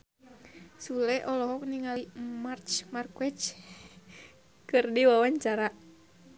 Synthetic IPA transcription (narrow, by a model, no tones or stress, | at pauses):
sulɛʔɔlɔɦɔk̚niŋalimart͡ʃmarkwɛt͡ʃ | kɨrdiwawaɲt͡ʃaɾa